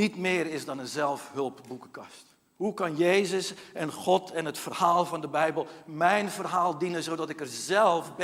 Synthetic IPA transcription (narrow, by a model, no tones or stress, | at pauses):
itmɪːəɾɪsdɔnənzɛlˠfhɵlˠpbukəkɑst | hukɑnjeːzəsɛnxɔtʰɛnətfərhaːlˠvɑndəbɛjbəlˠmɛjnvərɦaːlˠdinəzowdɔtɪkərzɛlˠfb